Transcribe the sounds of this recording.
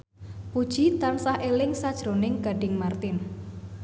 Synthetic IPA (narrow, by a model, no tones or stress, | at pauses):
pud̥ʒ̥i̤t̪ansahʔelɪŋsad̥ʒ̥ɾo̤nɪŋɡ̥a̤ɖ̥ɪ̤ŋmart̪ɪn